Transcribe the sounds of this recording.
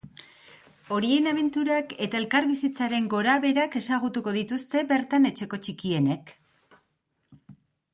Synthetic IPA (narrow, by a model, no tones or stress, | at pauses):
o̞ɾienaβ̞e̞nt̪uɾake̞t̪ae̞lkaɾβisit͡saɾe̞ŋɡo̞ɾaβe̞ɾake̞saɣ̞ut̪uko̞ðit̪ust̪e̞βe̞ɾt̪ane̞t͡ʃe̞ko̞t͡ʃikie̞ne̞k